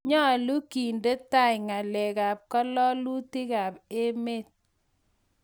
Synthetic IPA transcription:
ɲɔ˦a˨lu˦ki˨nde˦ta˦jŋa˨le˨ka˨p̚kɔ˦lɔ˦lu˦ti˦ka˨pe˦me˦˨t̚

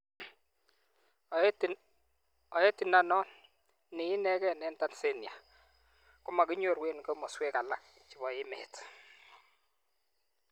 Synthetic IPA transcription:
t | ɔ˨ɛ˦tɪ˨na˨nɔ˦ | nɪ˨ɪ˦nɛ˦kɛ˦˨nɛ˦nta˦nse˦nja˨ | kʊ˦ma˨kɪ˦ɲo˦˨ɾwe˦nkɔ˦mɔ˨swɛ˦ka˨la˦k̚ | t͡ʃɪ˨βɔ˨ɪ˦mɛ̰˨t

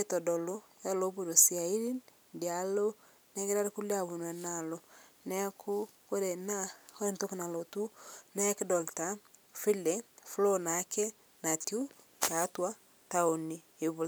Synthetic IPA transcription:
e˦tɔ˨dɔ˨lo˦ja˦lo˦βu˨ɾo˨sia˨i˦ɾi˦n | dja˨lo˦ | nɛ˦ɡe˦ɾa˦ɾe˦ku˦le˦a˨βu˨nwɛ˨nalo˨nɛ˦kʰo˦ | ko˦ɾe˨na˦o˦e˦nto˦ke˦na˨lotu˦nɛ˦kdɔ˨ltafi˦lɛ˦flo˦na˦kɛ˦ | na˨tju˦ | ja˨twa˦ | ta˦o˨ni˨ | eβu˨l

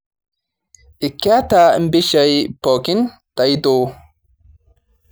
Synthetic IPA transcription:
ʔɪ˨kːa˦t̪aːmbɪ˦ʃɐ˨jpɔː˨kɪ˦n | d̪̥ɐ˨jd̪oː˨

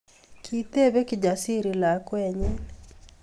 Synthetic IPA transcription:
kʰi˨t̪e˦βe˦kɪd͡ʒa˨si˦ɾi˨la˨kwɛ˦ɲe˦

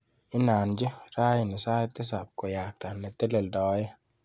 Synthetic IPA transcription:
ɪ˦nːaː˨nd͡ʒɛ˦ɾaː˦jɪ˨nɪ˨saː˦ɛ˦t̪ːɪ˦s̬a˨b̚kɔ˨jaː˨k̚t̪a˨nɛ˨t̪ːɛ˦lɛ˨ld̪a˨wa˦jɛ˦

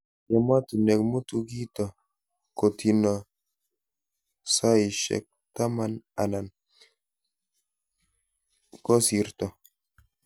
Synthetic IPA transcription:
ja˨ma˦t̪u˨nɛ˨kmu˦t̪u˦ɡi˦t̪ɔ˨ | ko˨tʰi˨nɔ˨ | sa˦i˨ʃɛ̰˨k̚t̪a˦ma˦na˨na˨n | ko˦si˨ɾt̪ɔ˨

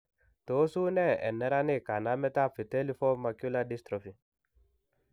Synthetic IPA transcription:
to˨˦su˦nɛ˦˨ɛ̰˨nɛ˦ɾa˦ne˦˨ka˨na˦mɛ˦ta˦˨fi˨tɛ˦li˦fɔ˦ma˨kju˦la˦di˦st̪ɾɔ˨fi˨

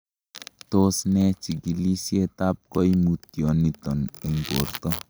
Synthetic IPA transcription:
to˦snɛ˦t͡ʃi˨ɡi˨li˦sje˦ta˦p̚kɔ˦jmu˨tjɔ˨ni˨tɔ˨ne˨ŋɡo˨rtɔ˦

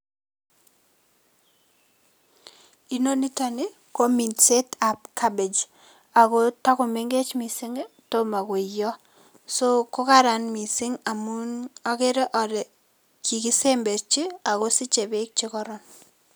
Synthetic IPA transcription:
i˨no˦ni˦ta˨ne˦ | ko˦mi˨nse˦ta˨p̚kʰa˦be˨d͡ʒ | a˨ko˦ta˦kʊ˨me˦ŋɡe˦t͡ʃmi˨sɪ˦ŋ | to˦ma˨kʊ˨jɔ˦ | so˦ko˦ka˦ɾa˨nmi˨sɪ˦ŋa˨munɔ˦ke˦ɾɛ˦ʔɔ˨ɾɛ˨ | ki˨ki˦se˦mbe˨t͡ʃi˦a˨ko˦sɪ˦t͡ʃe˨be˦k̚t͡ʃɪ˦kɔ˦ɾɔ˦n

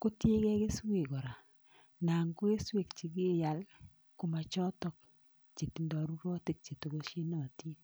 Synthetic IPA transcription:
ko˦tje˦kɛ˦ke˦swe˨ɡɔ˨ɾa˨ | na˨ŋɡo˦e˦swe˨kt͡ʃi˨˦ɡi˦˨ja˨l | ko˦ma˨t͡ʃɔ˦tɔ˦k̚ | t͡ʃe˨ti˨ndɔ˨ɾu˦ɾɔ˦te˦˨k̚t͡ʃe˨to˨ɡo˦ʃe˦nɔ˨ti˦

